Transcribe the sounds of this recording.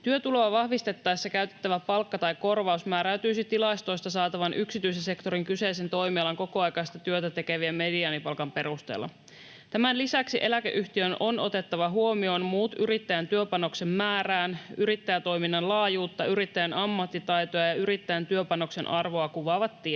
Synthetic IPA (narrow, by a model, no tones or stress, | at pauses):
t̪yøt̪ulo̞ɑʋɑhʋist̪e̞t̪ːɑjsːekæyt̪e̞̥t̪ːæʋæpɑlkːɑt̪ɑjko̞rʋɑusmæːɾæːt̪yːsit̪ːilɑist̪o̞jst̪ɑsɑːt̪ɑʋɑnʔyksit̪yisese̞kt̪o̞ɾiŋkyse̞ise̞nt̪o̞jmiɑlɑŋko̞koɑjkɑjst̪ɑt̪yøt̪æt̪e̞keʋiæme̞diɑːnipɑlkɑmpe̞ɾust̪ḛlːɑ̰ | t̪æmænlisæksiʔe̞lækḛʔyçt̪iøno̞no̞t̪e̞t̪ːɑʋɑɦuo̞mio̞ːnmuːt̪ʔyɾit̪ːæjænt̪yøpɑno̞kse̞mːæːɾæːnyɾit̪ːæjæt̪o̞jminːɑnlɑːjuːt̪ːɑyɾit̪ːæjænʔɑmːɑt̪ːit̪ɑjt̪o̞jɑjɑyɾit̪ːæjænt̪yøpɑno̞kse̞nʔɑrʋo̞ɑkuʋɑːʋɑt̪ːi